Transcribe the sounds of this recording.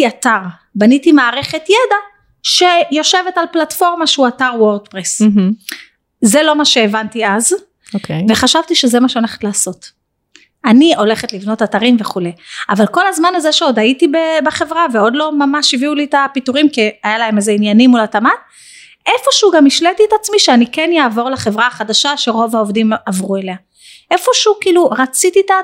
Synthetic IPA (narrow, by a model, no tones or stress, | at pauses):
iataʁ | banitimaːʁeχe̞tjeda | ʃe̞joʃe̞vetalplatfo̞ʁmaʃeuataʁwoʁd̪pʁes | zelo̞maʃe̞ːvantiaz | okeve̞χaʃavt̪iʃe̞zemaʃeo̞leχe̥tlaːso̞t | anio̞le̞χetlivno̞tataʁimve̞χule̞avalko̞lazmanazeʃeo̞daitibebaχe̞vʁaveo̞d̪lo̞mamaʃiviulietapituʁimkiajalae̞mezeinjanimulatamat | ʔefo̞ʃeuɡamiʃletietat͡smiʃeanikenjaːvo̞ʁlaχe̞vʁaːχadaʃaʃe̞ʁo̞vhaovdimavʁue̞lea | ʔe̞fo̞ʃeukiːluʁat͡sitita